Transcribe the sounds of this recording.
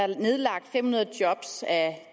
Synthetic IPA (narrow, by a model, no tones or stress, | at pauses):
ne̝ð̞ˠlɑ̈ɡ̥̚d̥fem̰hunɐð̩ˠd̥jɒ̽b̥sæ